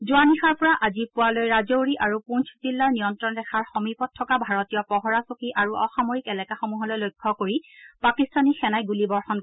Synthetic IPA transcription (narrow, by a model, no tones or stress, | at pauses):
zuanixaɹpɔɹaʔazipualojɹazowɹiʔaɹupunt͡ʃʰzilːaɹnijɔntɹɔndɛxʰaɹxɔmipɔtʰːɔkabʱaɹɔtijɔpɔɦɔɹasokiʔaɹuʔɔxamoɹikɛlɛkaxɔmuɦɔlɔjlojkʰːɔkoɹipakistanixɛnajɡulibɔɹxɔn